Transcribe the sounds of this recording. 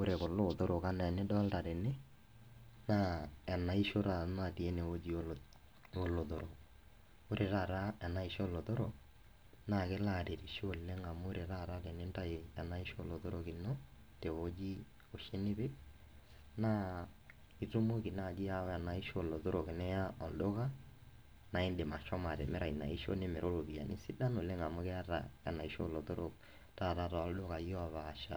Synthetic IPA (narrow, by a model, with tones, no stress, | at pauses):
o˦ɾe˨kʊ˨lo˦˨to˦ɾo˨ka˦na˨nɛ˦dɔ˦a˦lta˨ɾɛ˨nɪ˦ | na˦ɛ˨na˨i˦ʃo˦ɾa˨˦na˦˨ti˨e˦ne˨wo˦d͡ʒi˨o˦ | o˦lo˨to˨ɾo˨ | o˦ɾʔe˨ɾa˦˨ɾa˦ɛ˨na˦i˦ʃo˦lo˨to˦ɾo˨ | na˦˨kɪ˦la˦˨ɾe˨ɾi˨ʃo˨lːe˦ŋa˨mʊ˦ɾe˨ɾa˦˨ɾa˦ɾɛ˨nɪ˦nta˦ɪ˨ɛ˨na˦i˦ʃo˦˨lo˨to˦ɾo˨kɪ˨nɔ˦ | te˨wo˦d͡ʒi˦ | o˨ʃe˦ni˦be˦ | na˦ | i˨to˦mo˦ki˨na˦˨d͡ʒi˦ja˦a˨na˨i˦ʃo˦˨lo˨to˦ɾo˨ke˨nɛ˦ja˦ɔ˨ldo˦ka˦ | na˨i˦nde˨ma˨ʃɔ˦ma˨ɾɛ̰˨mɛ˦ɾa˨i˨na̰˨i˦ʃo̰˦ne˦mɛ˨ɾʔo˦lo˨bi˨a̰˨ni˦si˦da˦no˨le˦ŋa˨mo˦kɛ˦a˦ta̰˨ja̰˨na˨i˦ʃo˦˨lo˨to˦ɾo˦˨k̚ | ta˦˨ta˦˨ɾa˨ɔ˨˦ldo˦ɣa˨jɔ˦a˨βa˨ʃa̰˨